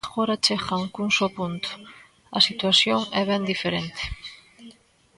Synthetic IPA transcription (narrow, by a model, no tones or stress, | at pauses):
xoɾat͡ʃexaŋkuŋsopunt̪ʊ̥ | ɐ̰sit̪wasjoŋɛβ̞ɛnd̪ifeɾent̪e̥